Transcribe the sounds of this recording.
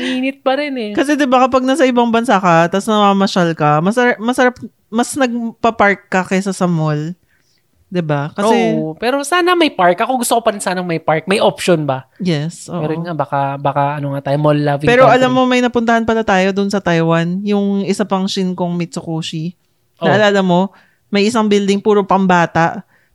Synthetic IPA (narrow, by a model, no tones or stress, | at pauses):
iːnɪt̪̚pɐɾɛnɛkɐsɛd̪ɪbakɐpɐɡ̚nɐsɐʔɪbaŋbɐnsakɐt̪ɐsnɐmamɐʃalkɐmɐsɐɾamɐsɐɾap̚ | mɐsnɐɡ̚pɐpaɹkːɐkɐsɐsɐmol | d̪ɪbakɐsɛpɛːɾosaːnɐmɐjpaɹkʔɐkoŋɡʊst̪okopɐɾɪnsaːnɐŋmɐjpaɹk̚mɐjʔopʃonbɐjɛsʔo̰ʔɛɾojŋabaːkɐbaːkɐɐnoŋat̪aːjomolːavipɛːɾoʔɐlamːo̞mɐjnɐpʊnt̪ɐhanpɐlat̪aːjo̞d̪ʊnsɐt̪ajwɐnjʊŋʔɪsapɐŋʃɪnkoŋmit͡ʃokoːʃi | nɐʔɐlaːlɐmo̞ | mɐjʔɪsaŋbɪld̪ɪŋpuːɾopɐŋbaːt̪aʔ